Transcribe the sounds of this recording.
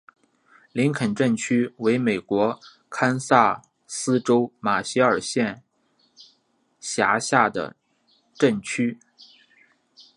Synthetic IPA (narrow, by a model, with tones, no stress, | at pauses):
li˧˥ŋkʰə˨˩nʈ͡ʂə˥˩nt͡ɕʰy˥we˧˥ɪme˨˩ɪkwɔ˧˥ | kʰa˥nsa˥˩ | sɹ̩˥ʈ͡ʂo˥ʊma˨˩ɕi˧˥ə˞˨˩ɕjɛ˥˩n | ɕja˧˥ɕja˥˩d̪ə̰˩ | ʈ͡ʂə˥˩nt͡ɕʰy˥